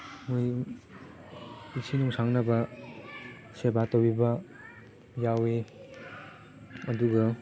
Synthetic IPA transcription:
muj | isʰinuŋsaŋnaba | sebatɔbiba | jawe | ɐduɡʌ

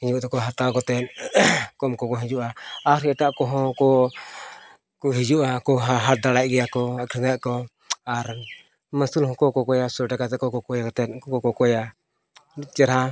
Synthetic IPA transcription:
iɲut̪ɔkɔɦat̪akɔt̪ɛnkɔmkɔkɔɦid͡ʒuʔaaɾɛʈaʔkɔɦɔkɔ | kuɦid͡ʒuʔakɔɦaɦad̪alajɡɛjakɔakɾiŋaʔkɔ | aɾ | məsilɦɔ̃kɔkɔkɔjasɔʈakat̪ɛkɔkɔkɔjakɔt̪ɛnkɔkɔkɔkɔja | lut͡ʃɛɾa

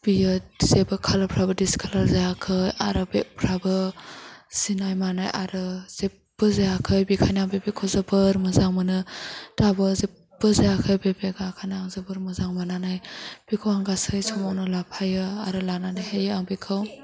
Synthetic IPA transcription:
b̥ijɯz̥ebɯkʰalapʰɾabɯdiskʰalazajakʰɯja̰ɾɯbepʰɾabɯ | z̥inajmanajʔa̰ɾɯz̥e | bɯzejakʰɯjbikʰajnaŋbebekʰɯwzɯbɯɾmɯzaŋmɯnɯd̥abɯze | b̥ɯzajakʰɯjbebeɡakʰanaŋzɯbɯɾmɯzaŋmananajb̥ikʰɯwaŋɡasɯjsʰɔmawnɯlapʰajɯaɾɯlananajhejɯaŋbekʰɯw

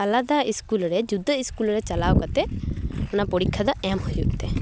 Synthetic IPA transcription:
alad̪aiskulɾɛd͡ʒud̪ʱəiskulɾɛt͡ʃalawkat̪ɛɔnapɔɽikʰːad̪ɔɛmhujuʔt̪ɛ

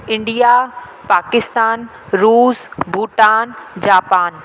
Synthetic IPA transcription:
ɪ̃ɳɖija | paːkɪst̪aːn | ɾuːzbʱuːʈaːnd͡ʑaːpaːn

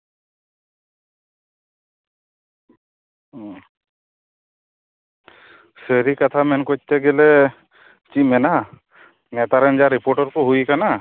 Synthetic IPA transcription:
seɾikat̪ʰamɛnkɔc̚t̪ɛɡelɛ | t͡ʃimɛna | nɛt̪aɾɛnd͡ʒaɾipɔɾʈɔɾkɔɦujkana

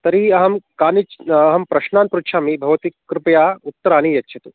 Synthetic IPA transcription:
t̪ɐɾiɐɦɐmkaːnit͡ʃɐɦɐmpɾɐʃnaːnt̪pɾukʃʰaːmibʱɐʋɐt̪ikkːɾupɐjaːut̪ːɐɾaːnijɐtːʃʰɐt̪u

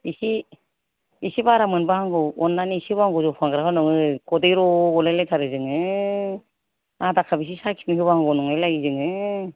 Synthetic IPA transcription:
isi | isibaɾamɯnbɯhaŋɡɯɔnːaniːsibaaŋɡɔzɔpʰaŋɡɾaɦɯnɔŋɯkʰɔdejɾɔɔleletʰaɾɯzɯŋɯ | adakʰabis̬isakʰimiɦɯβahaŋɡɔnɔŋajlajizɯŋɯ

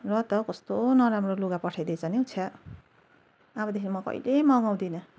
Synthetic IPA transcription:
rʌt̪ʌkʌst̪onʌɾamroluɡapʌʈʰajd̪et͡sʰʌniut͡sʰjʌ | bʌd̪ekinimʌkʌ̰ḭlemʌɡaw̃d̪inʌ

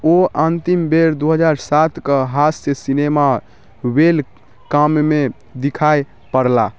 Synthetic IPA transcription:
oənt̪imbeɾd̪oɦəd͡ʒaɾsat̪ʰkəɦasesinema | wel | kamme | d̪ikʰaj | pəɾla

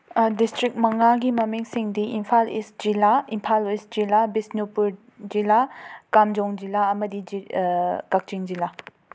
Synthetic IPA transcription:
distɾik̚mɐŋaɡimɐmiŋsiŋdiʔimpʰalḭsd͡ʒilaimpʰalisd͡ʒilabisnupuɾ | d͡ʒilakamd͡ʒɔŋd͡ʒilaɐmɐdiikak̚t͡ʃiŋd͡ʒila

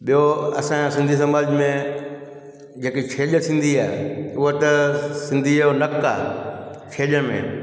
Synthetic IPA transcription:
ɓijoɐ̰sãsɪ̃nd̪ʱis̬ɐmaːd͡ʑmẽ | d͡ʑeːkikʰeːʄət̪ʰĩːn̆d̪iaːɦḛʊɦət̪ɐsɪ̃nd̪ʱionɐka̰ːt͡ʃʰeːʄəɽmḛ̃

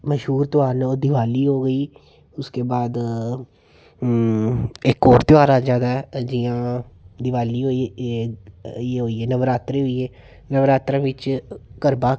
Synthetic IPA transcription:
məʃɦuːɾt̪ʊaːnoːd̪ɪʋaːliːɦoːɡəiː | ʊskeːbaːd̪ | ɪkːɔːɾt̪ʊaːɾaːd͡ʒaːd̪aːɛd͡ʒɪãːd̪ɪʋaːliːɦoːi | eːɦoːiːeːnəʋɾaːt̪ɾeːɦoiːeː | nəʋɾaːt̪ɾãːʋɪt͡ʃkəɾbaː

